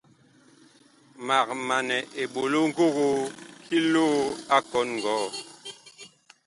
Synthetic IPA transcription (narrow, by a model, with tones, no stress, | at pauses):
ma˨k̚ma˨nɛ˨ʔe˨ɓo˨lo˦ŋ̩˦ɡo˦ɣo˦kʰi˦loː˦a˦kɔ˦nŋ˨ɡɔː˨˦